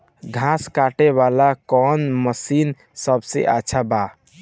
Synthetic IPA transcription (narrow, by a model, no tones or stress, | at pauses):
ɡʱãskaʈeβalakɔnməsin | səbsḛʔatːt͡ʃʰaba